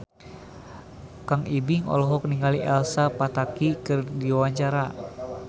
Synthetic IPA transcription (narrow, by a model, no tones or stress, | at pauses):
kaŋibiŋɔ̰lɔɦɔk̚niŋɡaliʔɛlsapat̪akikɨrdiwaɲt͡ʃaɾa